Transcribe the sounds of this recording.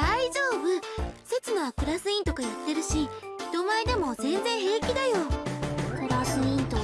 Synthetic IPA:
d̪aiʑoːbɯ̟set͡sɨnoakɯ̟ɾasɨĩnt̪o̞kajat̪ːe̞ɾɯ̟ɕid̪̥o̞maid̪emo̞zẽ̞nd͡zẽ̞ɰ̃ɦe̞ːkʲid̪ajo̞kɯɾasɨĩnt̪o

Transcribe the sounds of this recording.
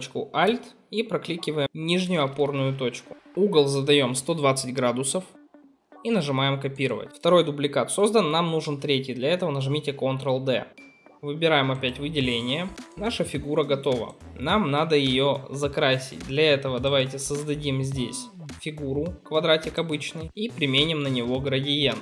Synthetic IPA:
t͡ɕkʊʔalʲt̪ | ipɾɐklʲikʲɪvəjɪmnʲiʐnʲɪjʊɐpo̞rnʊjʊt̪o̞t͡ɕkʊ̥uɡəlˠzəd̪ɐjo̞mst̪o̞d̪vat̪sɨtʲɡɾad̪ʊsəf | inəʐɨmajɪmkɐpʲiɾəvə̰tʲft̪ɐɾo̞jd̪ʊblʲɪkat̪so̞zd̪ənːamnuʐɨnt̪ɾʲetʲɪjd̪lʲɐɛt̪əvənəʐɨmʲitʲɪkont̪ɾəlˠd̪ɛ̰vɨbʲɪɾajɪmɐpʲætʲvɨdʲɪlʲenʲɪjənaʂəfʲɪɡuɾəɡɐt̪o̞və̰namnad̪əjɪjo̞zɐkɾasʲɪ̰t̚ʲd̪lʲɐɛt̪əvəd̪ɐvajtʲɪsəzd̪ɐdʲimzʲdʲesʲ | fʲɪɡuɾʊkvɐd̪ɾatʲɪkɐbɨt͡ɕnɨjipɾʲɪmʲenʲɪmnənʲɪvo̞ɡɾədʲɪjen

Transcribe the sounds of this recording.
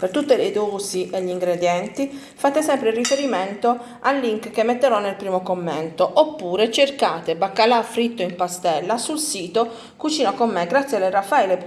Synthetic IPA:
pert̪ut̪ːeled̪ɔːziʔeʎːiŋɡɾed̪jɛnt̪i | fat̪esɛmpɾeilrːifeɾiment̪o | alːiŋkkemːet̪ːeɾɔnːelpɾiːmokomːent̪oʔopːuːɾet͡ʃerkaːt̪ebakːalafɾit̪ːoimpast̪ɛlːasulsiːt̪o | kut͡ʃiːnokomːeɡɾat̪sjalːerafːaile

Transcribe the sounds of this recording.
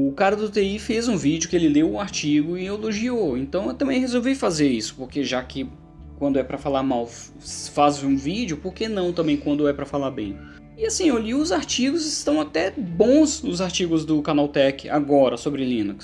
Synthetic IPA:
ʊkaɾɐd̪ʊt̪eifezũvid͡ʒʊkɪelɪlewʊ̃aɾt͡ʃiɡʊɪeloʒioẽnt̪ɐ̃w̃ewt̪ɐ̃mbẽj̃ɦezowvifazeɾisʊ̥poɾkeʒakɪ | kwɐ̃nd̪ʊɛpɾɐfalaɾmaw | sfazũvid͡ʒjʊpoɾkenɐ̃w̃t̪ɐ̃mbẽj̃kwɐ̃nd̪ʊɛpɾɐfalaɾbḛ̃j̃ | ɪasĩewliʊzaɾt͡ʃiɡʊzɪst̪ɐ̃w̃at̪ɛbõsnʊzaɾt͡ʃiɡʊzd̪ʊkanawt̪ɛkɪa̰ɡɔɾɐsobɾɪlĩnuks

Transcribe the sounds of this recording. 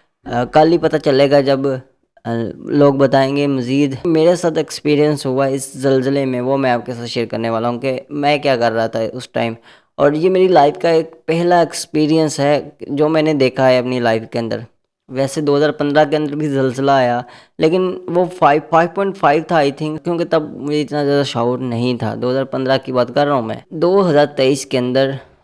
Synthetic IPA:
kɐlipɐt̪at͡ʃɐleːɡad͡ʒɐb | loːɡ̚bɐt̪aːẽːŋɡemɐziːd̪meːɾesaːt̪ʰekspiːɾijə̃nsɦʊaɪszɐlzəlemẽʋomɛ̃aːp̚kesaːt̪ʃeːɾkɐɾneʋaːlaɦũːkemɛ̃ːkjaːkɐɾːaɦat̪ʰaɦʊsʈa̰ːɪm | ɔːɾjeːmeːɾilaːɪfʰkaeːk̚pɛɦlaɪkspiːɾijənsɦɛd͡ʒoːmɛ̃ːned̪eːkʰaɦɛɐpnilaːɪfkeə̃nd̪ə̰ɾ | ʋɛːsed̪oːɦəzaːɾpɐ̃nd̪ɾakeɐ̃nd̪əɾbʱizɐlzəlaːja | leːkɪnʋofʰaːɪpʰaːɪʋpɔ̃ːɪɳʈfʰaːɪʋt̪ʰaːɪt̪ʰɪ̃ŋkkjõːket̪ɐb̚mʊd͡ʒʱeɪt̪nazjaːd̪aʃaːuːɾnɐɦĩt̪ʰa̰d̪oːɦəzaːɾpɐ̃nd̪ɾakibaːt̪kɐɾːaɦũmɛ̰̃ːd̪oːɦɐzaːɾt̪eːiːskeɐ̃nd̪əɾ

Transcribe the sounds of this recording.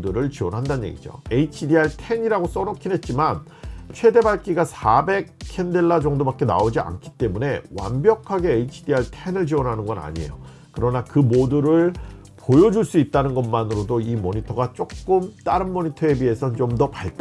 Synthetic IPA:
duɾɯɭt͡ɕiwʌnɦandanɲje̞̰ɡḭd͡ʑo̰e̞it͡ɕʰidiaɭtʰe̞ɲiɾaɡos͈ʌnʌkʰinɦe̞t̚t͡ɕ͈imant͡ɕʰwe̞de̞baɭk͈iɡasʰabe̞k̚kʰːe̞ndeɭːad͡ʑʌŋdobak͈e̞na̰od͡ʑia̰nkʰi̥t͈e̞mune̞wa̰mbjʌkʰaɡe̞ːit͡ɕʰidiaɭtʰe̞nɯɭd͡ʑiwʌnɦanɯnɡʌna̰ɲiḛjo | kɯɾʌnakɯmoduɾɯɭ | pojʌd͡ʑuɭs͈uit̚t͈anɯnɡʌnmanɯɾodoimʌɲitʰʌɡat͡ɕ͈ok̚k͈ɯmt͈aɾɯnːʌɲitʰʌe̞bie̞sʰʌnt͡ɕomdʌpaɭt͈a

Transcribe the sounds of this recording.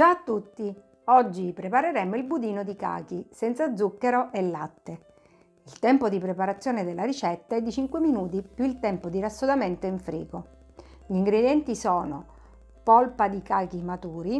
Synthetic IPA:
d͡ʒat̪ːut̪ːi | ɔd͡ʒːipɾepaɾeɾɛmːoilbud̪iːnod̪ika̰ːkisɛnt̪sad̪zːukːeɾoʔelːat̪ːe | ilt̪ɛmpod̪ipɾepaɾat̪sːjoːned̪elːaɾit͡ʃɛt̪ːaɛd̪ːit͡ʃiŋkweminuːt̪ipjuilt̪ɛmpod̪irasːod̪ament̪oiɱfɾḭːɡo | ʎiːŋɡɾed̪jɛnt̪isɔːno | pɔlpad̪ikaːk̟imat̪uːɾi

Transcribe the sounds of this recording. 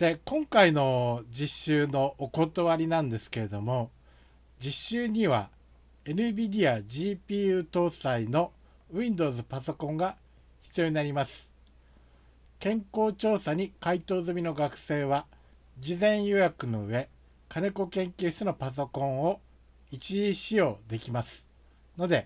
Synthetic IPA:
d̪̥e̞kõ̞ŋkaino̞d͡ʑiɕːɨːno̞ʔːko̞t̪oβaɾʲinãnd̪e̞sɨ̥ke̞ɾe̞d̪o̞mo̞ | d͡ʑiɕːɨːɲ̟iβa | e̞nɯ̟bʲid̪ʲiaʑiːpʲiːɯt̪o̞ːsaino̞ | ĩnd̪o̞ːzɨpaso̞kõ̞ŋɡa | çi̥t͡sɨijoɲʲinaɾʲimasɨ̥ | kẽ̞ŋko̞ːt͡ɕo̞ːsaɲ̟ikait̪o̞ːzɨmʲino̞ɡakɯ̟̥se̞ːβa | d͡ʑizẽ̞ɰ̃jojakɯ̟no̞ɯ̟e̞ | kane̞ko̞kẽ̞ŋkʲɯːɕtɨno̞pas̬o̞kõ̞ɰ̃o̞ | it͡ɕiiɕijo̞ːd̪e̞kʲimasɨ̥ | no̞d̪e̞

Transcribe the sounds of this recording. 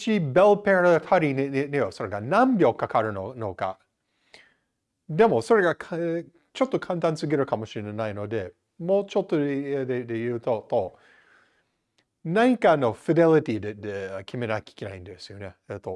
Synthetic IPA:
ɕibelpeɾt̪ʰaɾʲineenejoso̞ɾe̞ɡanãmbʲjo̞kakaɾɯ̟nono̞ka̰ | d̪e̞mo̞so̞ɾe̞ɡakʰ | t͡ʃo̞t̪ːo̞kʰãnt̪ãnt͡sɨɡeɾɯ̟kamo̞ɕiɾenaino̞d̪e̞ | moːt͡ʃot̪ːo̞ed̪ed̪ejɯ̟ːt̪ot̪o | naɲ̟ikano̞fid̪e̞lit̪id̪ed̪ekʲʰime̞nakʲi̥kʲena̰ĩnd̪esɨjo̞neet̪ːo̞

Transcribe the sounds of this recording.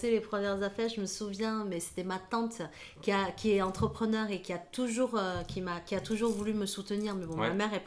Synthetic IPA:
selepχəmjɛʁzafɛʁʒəməsuvjɛ̃mɛse̥t̪ɛmat̪ɑ̃t̪ | kʲiakʲiɛɑ̃t̪χəpχənœʁekʲiat̪uʒuʁøkʲʰimakʲiat̪uʒuʁvulyməsut̪əniʁmɛbɔ̃mmamɛʁɛp

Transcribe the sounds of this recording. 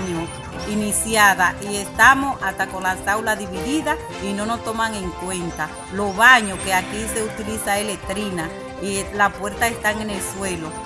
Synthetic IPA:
ɲo | inisjaðaʔie̞st̪amo̞sast̪ako̞nlasawlaðiβiðiða | ino̞no̞st̪o̞maŋe̞ŋkwe̞nt̪a | lo̞βaɲo̞ke̞akise̞ut̪ilisaelet̪ɾina | ilapwe̞ɾt̪ae̞st̪aeŋe̞nelswe̞lo̞

